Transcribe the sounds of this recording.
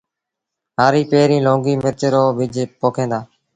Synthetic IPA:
ɦaːɾiːpeːɾĩːlõːŋɡiːmɪɾt͡ʃɾoːʋɪd͡ʒpoːkʰẽːnd̪aː

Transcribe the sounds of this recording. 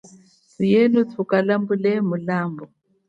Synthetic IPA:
sijɛnutʰukalambulɛmulaːmbɔ

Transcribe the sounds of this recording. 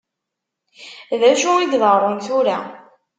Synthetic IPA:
ðæʃuid̪ðəɾˤənθuɾæ

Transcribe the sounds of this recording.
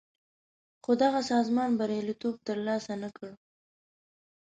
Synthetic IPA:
xod̪aɣasɑzmɑnbaɾjɑlit̪ob̚t̪əɾlɑsanakəɽ

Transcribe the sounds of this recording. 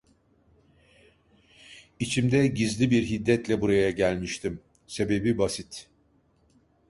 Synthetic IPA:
it͡ʃʰimd̪ɛɟizlʲibiɾɦid̪ːɛt̪lʲɛbuɾajaɟælʲmiʃt̪ʰim | se̞be̞bibasit̪

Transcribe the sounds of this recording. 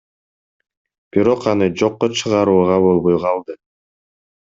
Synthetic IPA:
b̥iɾo̞qɑnɯd͡ʒo̞qːot͡ʃʰɯʁɑɾuːʁɑβo̞lˠβojʁɑlˠd̪ɯ

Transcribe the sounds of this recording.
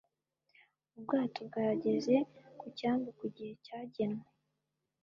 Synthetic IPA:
ubɡaːtob̚ɡaɾaɟe̞ze̞kucaːmbukuɟihe̞caːɟenwe

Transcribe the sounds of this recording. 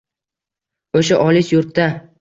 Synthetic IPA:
oʃaʔɒlɪsjʊɾt̪ːa

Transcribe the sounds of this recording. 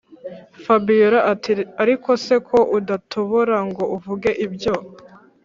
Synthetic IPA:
fabijoɾaaɾiko̞se̞kʰo̞ʔudatʰoβoɾaŋɡo̞ʔuvuɡe̞ʔibjo̞

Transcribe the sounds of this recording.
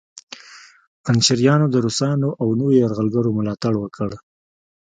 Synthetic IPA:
anʃɪɾjɑnod̪əɾusɑnoʔawnowojaɾɣəlɡaɾomʊlɑt̪aɽwəkəɽ

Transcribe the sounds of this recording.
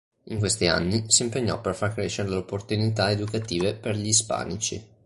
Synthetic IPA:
iŋkwest̪ia̰nːisiːmpeɲːɔ̰pːerfarkɾeːʃːeɾeleopːort̪unit̪aed̪ukat̪iːveperʎispa̰ːnit͡ʃi

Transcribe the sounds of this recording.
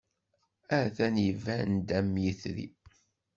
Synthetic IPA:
æθænjəvænd̪æmjəθɾḭ

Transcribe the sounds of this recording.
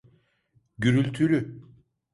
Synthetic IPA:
ɟyɾylʲt̪ʰylʲy

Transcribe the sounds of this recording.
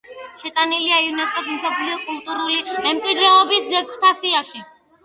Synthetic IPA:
ʃɛt̪ʼaniliaiunɛskʼɔsmsɔpʰliɔkʼulˠt̪ʼuɾulimɛmkʼwid̪ɾɛɔbiszɛɡt̪ʰasiaʃi

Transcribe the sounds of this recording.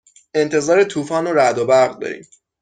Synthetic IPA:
e̞nt̪ʰe̞zɒːɾet̪ʰuːfɒːnoɾæd̪obæɾɣd̪ɒ̰ːɾḭːm

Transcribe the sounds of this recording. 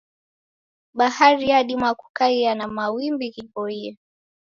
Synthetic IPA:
ɓahaɾijaɗimwakukaianamawimbiɣipɔiɛ

